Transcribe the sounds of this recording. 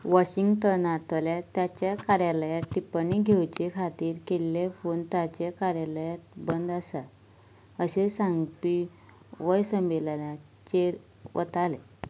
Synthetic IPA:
ʋaɕiŋɡʈənat̪əljat̪jat͡ɕjakaɾjaləjaʈipaniɡʱewt͡ɕekʰat̪iːɾkelːefont̪at͡ɕekaɾjaləjat̪bənd̪asa | əɕesãŋɡpi | ʋəjsəmbelana | t͡ɕeɾ | ʋʔə̰t̪ale

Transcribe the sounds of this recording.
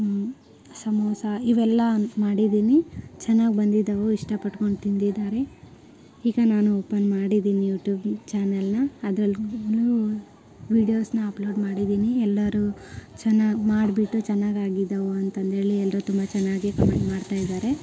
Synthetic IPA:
sɐmoːsɐiʋɛlːɐmaːɽid̪iːnit͡ʃɛnːaːɡbɐnd̪id̪ːɐʋoiʂʈɐpɐʈko̞ɳɖt̪ind̪id̪aːɾe̞ | iːɡɐnaːnuoːpɐnmaːɽid̪iːnijuːʈjuːbt͡ʃaːnɐlnɐːd̪ɾɐlɡlu | ʋiːɖijoːsnɐɐploːɖmaːɽid̪iːniɛlːɐɾut͡ʃɐnːaːɡmaːɽbiʈːut͡ʃɛnːaːɡaːɡid̪ːɐʋoɐnt̪ɐnt̪ɦe̞ːɭiɛlːɐɾut̪umbɐt͡ʃɛnːaːɡikɐmeɳʈmaːɖt̪aːjid̪aːɾe̞

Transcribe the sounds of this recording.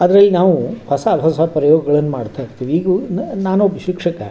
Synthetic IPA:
ɐd̪ɾɐlːinaːʋupɐsaːbʱɐsapɾɐjɔːɡɐɡɐɭɐnːumaːɽt̪ʰajiɾt̪iːʋiːɡunaːnobiʃikʂɐkɐ

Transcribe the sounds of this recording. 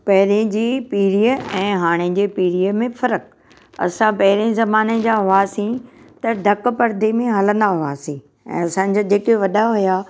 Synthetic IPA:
pɐɦɪɾẽd͡ʑiːpiːɾijəɛ̃ːɦaːɽ̃ed͡ʑeːpiːɾijəmẽfɐɾək | ɐ̰sãpɐɦɪɾezɐmaːned͡ʑaːɦʊassĩ | t̪ɐɖ̪ʱɐkpɐɾd̪ʱemẽɦɐlə̃nd̪aɦʊaːsĩː | ɛ̰̃ːɐsãːd͡ʑaːd͡ʑeːkeʋɐɗaɦujaː

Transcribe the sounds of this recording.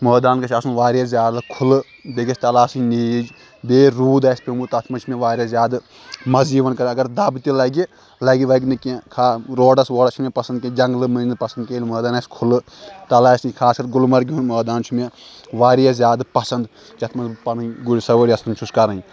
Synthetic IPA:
məːd̪aːnkɐt͡ʃʰɐsmnʋaːɾʲiazʲjaːd̪lɨkʰʊlɨ | beɡʲɐsʰʲt̪ɐlaːsiniːd͡ʒ | beːɾuːd̪aːsʲpʲemut̪ɐt̪ʰmɐnt͡ʃʰumẽʋaːɾʲɐzʲjaːd̪ | mɐziːʋɐnkɐɾɐɡɐɾd̪ɐbt̪ilɐɡi | lɐɡiʋɐɡʲnɨkẽkʰaːɾoːɖɐsʋoːɖɐt͡ʃʰumẽpɐsɐnd̪kʲẽd͡ʒɐŋɡlɨmɨnpɐsɐnd̪keːlʲməːd̪aːnaːsʲkʰʊlɨt̪ɐlaːsikʰaːskɐɾɡʊlmɐɾɡʲiunməːd̪aːnt͡ʃʰumẽʋaːɾijazjaːd̪pɐsɐnd̪ | kʲɐt̪ʰmɐnpɐnɨɡuɽʲisɐʋəɾʲiɐt̪ʰmɐnʲt͡ʃʰuskɐɾɐi

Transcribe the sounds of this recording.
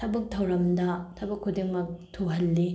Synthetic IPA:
tʰɐbɐk̚tʰɐwɾɐmdɐtʰɐbɐkʰːudiŋmɐk̚tʰuɦɐlːi

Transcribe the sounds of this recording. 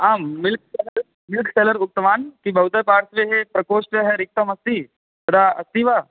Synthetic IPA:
amːilk̚seləɾ | milkʰseləɾuk̚t̪əʋank̪iːbʱəwt̪əpaɽsʋeɦepɾəkoʂʈeɦeɾik̚t̪əməst̪iː | t̪əd̪aəst̪iːʋa

